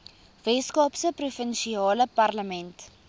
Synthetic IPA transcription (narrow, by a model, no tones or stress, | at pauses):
vɛskɑːpsəprufənʃiɑːləpɐrləmɛnt